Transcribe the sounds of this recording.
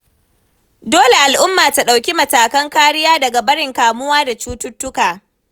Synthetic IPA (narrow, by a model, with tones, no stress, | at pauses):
doː˦le˨ʔa˨lʔʊ˦mːaː˨ta˨ɗa˨wkʲi˦mɐ˨taː˨kɐ˦ŋkaː˦ɽɪ˦jaː˦dɐ˨ɡa˨bɐ˦ɽɪ˨ŋkaː˨mʊ˦waː˦da˨t͡ʃuː˦tʊ˦tːʊ˦kaː˨